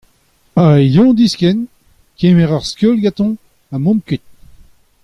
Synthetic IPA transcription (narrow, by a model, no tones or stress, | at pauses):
ajɔ̃d̪iskɛn | kemɛʁaʁskølɡat̪ɔ̃ | amɔ̃mkyt̪̚